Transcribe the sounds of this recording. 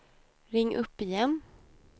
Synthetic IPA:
ɾɪŋːʔɵpːɪjɛnː

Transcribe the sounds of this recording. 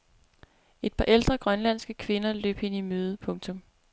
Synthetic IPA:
e̝d̥̚pʰɑ̈ʔeld̥ʁɐɡ̥ʁɶnlæn̰sɡ̥əkʰʋe̝nɐlø̰ːb̥e̝nimøːð̞ˠəpʰɔ̽ŋt͡sʰɔ̽m

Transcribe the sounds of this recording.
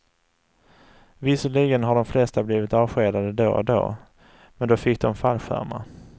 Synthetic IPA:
vɪsəɭiːɡənɦaɖɔmflɛst̪abliːvɪt̪ɑːvɧeːd̪ad̪əd̪o̰ːd̪o̰ː | mɛnd̪ɔfɪk̚ːd̪ɔmfalɧæ̰ɾma̰

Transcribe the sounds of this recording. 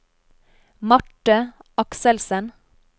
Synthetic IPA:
mɑʈəɑksəlsən

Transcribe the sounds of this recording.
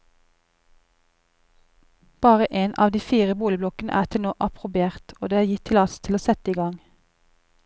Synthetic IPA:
b̥ɑːʁəʔeːnʔɑ̰ːʋd̪iːfiːʁəbuːlɪblɔkənə̰ʔæ̰ːʁt̪ʰɪlnoːʔɑpʰʁʊbɪeːʁt̪oːd̪eːæːjɪt̪ʰːɪlɑst̪ʰɪloːsɛt̪əiːɡɑŋ

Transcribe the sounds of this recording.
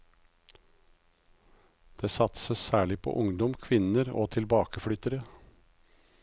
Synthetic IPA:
d̪̥eːsɑt̪səssæːɭɪpʰo̰ːʔʊŋd̪ɔmkʰʋɪnəɾo̰ːt̪ʰɪlbɑːkəfɽʏt̪əɾə

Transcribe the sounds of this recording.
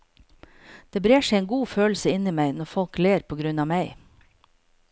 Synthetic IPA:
d̪̥eːbɾeːʃɛɪɛːŋɡuːføːl̩səɪniːmæɪnɔɾfɔlkleːɾpʰɔːɡɾʉnɑːmæɪ

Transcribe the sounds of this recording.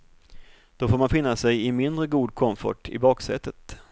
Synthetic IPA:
d̪̥ɔfoːɾmanfɪnːasɛjɪmɪnd̪ɾəɡuːd̪̚kʰɔmfɔ̰ʈɪ̰bɑːksɛ̰t̪ʰːət̪

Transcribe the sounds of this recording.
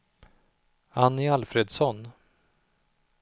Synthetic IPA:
anːɪalfɾeːd̪sɔn

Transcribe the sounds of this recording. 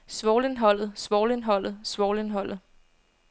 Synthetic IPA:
sʋɒːle̝nɦɒ̽l̰ð̩ˠsʋɒːle̝nɦɒ̽l̰ð̞̩ˠsʋɒːle̝nɦɒ̽l̰ð̩ˠ

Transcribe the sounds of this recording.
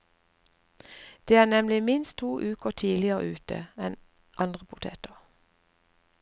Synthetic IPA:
d̪̥eːæːnɛmlɪmɪnst̪ʰuːʔʉːkəʁt̪ʰiːlɪəʁə̰ʔʉːt̪ʰə̰ɛn | ʔɑnd̪ʁəpʰʊt̪ʰḛːt̪əʁ

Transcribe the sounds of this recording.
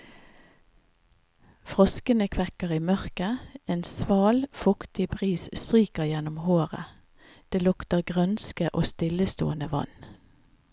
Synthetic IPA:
fʁɔskənəkʰʋɛkəʁiːmœʁkəeːnsʋɑːlfʊkt̪ɪbʁiːsst̪ʁyːkəʁjɛnʊmhoːʁə̰ | d̪̥eːlʊkt̪əʁɡʁœnskəʔo̰ːst̪ɪləst̪o̰ːənəʋɑ̰n

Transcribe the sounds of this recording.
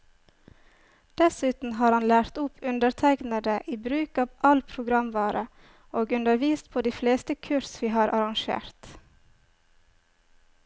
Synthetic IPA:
d̪̥ɛsʉːt̪n̩hɑːɾhɑnlæːɾt̪ʊpʰʉnd̪əɾt̪ʰæɪknəd̪əʔiːbɾʉːkɑːʋʔɑlpʰɾʊɡɾɑmʋɑːɾə | oːɡʉnd̪əɾʋiːst̪̚pʰoːd̪iːfleːst̪əkʰʉɾsʋiːhɑːɾʔɑɾɑŋʃḛːɾt̪

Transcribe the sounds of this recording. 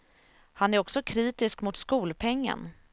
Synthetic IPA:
hanæɾɔksɔkʰɾiːt̪ɪskmʊt̪skuːlpʰɛŋːə̰n

